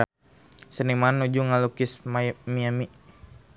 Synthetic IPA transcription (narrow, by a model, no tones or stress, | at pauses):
sənimanːud͡ʒuŋalukismamiami